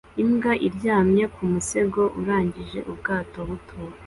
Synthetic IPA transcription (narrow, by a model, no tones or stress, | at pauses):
imɡaʔiɾɟaːmɲekʰumuse̞ɡo̞ʔuɾaːɲɟiʒe̞ʔubɡaːto̞βutʰuːwa